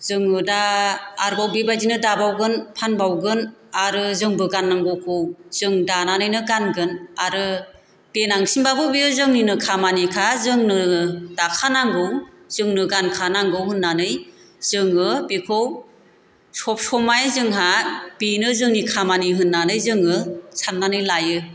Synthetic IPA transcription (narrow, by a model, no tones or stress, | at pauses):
zɯŋɯdaːɾbawbibajdinɯdabawɡɯnpʰanbawɡɯnaɾɯzɯŋbɯɡanːaŋɡowkʰɯwz̥ɯŋdananɯjnɯɡanɡɯnaɾɯ | b̥enaŋsinbabʰɯwbiɯzɯŋninɯkʰamanikʰazɯŋnɯdakʰanaŋɡɯw | z̥ɯŋnɯɡankʰanaŋɡɯwɦɯnːanɯj | z̥ɯŋɯbikʰow | sɔp̚sɔmajzɯŋɦab̥inɯzɯŋnikʰamaniɦɯnːanɯjzɯŋɯsanːanɯjlajɯ